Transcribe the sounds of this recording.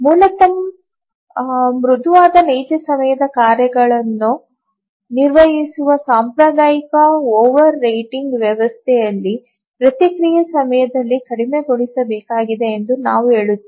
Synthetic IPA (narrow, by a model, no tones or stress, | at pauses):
muːlɐt̪ɐm | mɾud̪ʱuʋaːd̪ɐnejd͡ʒɐsɐmɐjɐd̪ɐkaːɾjɐɡɐɭɐnːu | niɾʋɐɦisuʋɐsaːmpɾɐd̪aːjikɐoːʋɐɾːɐjʈiŋɡʋjɐʋɐst̪ʰɛjɐlːi | pɾɐt̪jikɾijɐsɐmɐjɐd̪ɐlːikɐɽime̞ɡoɽisɐbɛːkaːɡid̪e̞ːnd̪unaːʋuɦe̞ːɭut̪ːe